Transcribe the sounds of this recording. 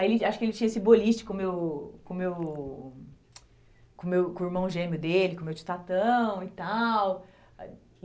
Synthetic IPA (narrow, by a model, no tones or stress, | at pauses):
aelɪaʃʊ̥kɪelɪt͡ʃĩɲɐesɪboliʃt͡ʃɪ̥kõmewkõmew | kõmewkõiɾmɐ̃ʒẽmjʊd̪elɪkõmewt͡ʃi̥t̪at̪ɐ̃w̃it̪aw